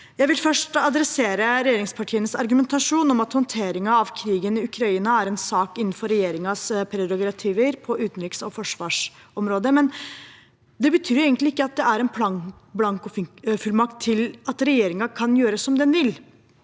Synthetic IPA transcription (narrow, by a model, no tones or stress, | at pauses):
jæɪʋɪlfœʂʈɑd̪ɾɛseːɾəɾɛjeːɾɪŋspʰɑʈʰiːənəsɑɾɡʉmɛnt̪ʰɑʂuːnɔmɑt̪hɔnt̪ʰeːɾɪŋɑɑʋkʰɾiːɡənɪʉkʰɾɑiːnɑæɾɛnsɑːkɪn̩ːfɔɾːɛjeːɾɪŋɑspʰɾɛɾɔɡɾɑt̪ʰiːʋəɾpʰɔʉːt̪nɾɪksɔfɔʂʋɑːʂ | ɔmɾoːd̪əmɛn | d̪ɛbət̪ʰyːɾeːɡəntlɪɪkːəɑt̪̚d̪ɛæɾɛnpʰlɑ | blɑŋkɔfʉlmɑkt̪ʰːɪlɑt̪ɾɛjeːɾɪŋɑkʰɑnjøːɾəsɔmd̪ɛnʋɪl